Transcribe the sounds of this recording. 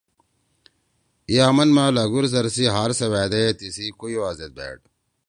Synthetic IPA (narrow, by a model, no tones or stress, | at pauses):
ijaːmɐnmaːlɐɡuɾs̬ɐɾsiɦaːɾsɐwaːd̪et̪isikuiwaːzet̪̚bḛːʈ̚